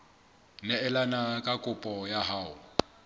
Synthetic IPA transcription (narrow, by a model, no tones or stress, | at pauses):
nɛɛlanakʼakʼʊpʼɔjaɦaːʊ̰